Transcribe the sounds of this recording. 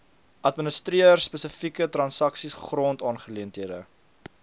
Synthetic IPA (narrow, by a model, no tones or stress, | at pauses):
ʔɐtmənəstɾiərspəsəfikətrɐnsɐksisχrɔntɑːnχəliəntiədə